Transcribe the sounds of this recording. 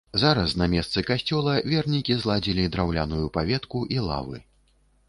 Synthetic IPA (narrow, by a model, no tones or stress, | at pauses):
zaɾɐsnɐmʲɛst̪sɨkasʲt͡sʲɔlˠɐvʲɛrnʲikʲizlˠad͡zʲilʲid̪ɾawlʲanujupavʲɛt̪kuʔilˠa̰vɨ̰